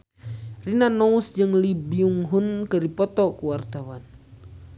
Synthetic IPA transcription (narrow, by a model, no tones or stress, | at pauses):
rinanɔusd͡ʒɨŋlibiuŋɦunkɨdipɔt̪ɔkuwart̪awan